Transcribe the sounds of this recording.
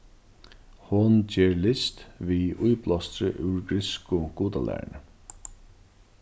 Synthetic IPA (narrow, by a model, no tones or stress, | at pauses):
hʊnt͡ʃeːɹlɪst̪ʋiʊjplɔst̪ɾəʔʉɹɡɾɪskʊɡ̥uːt̪alæ̰ːɹɳə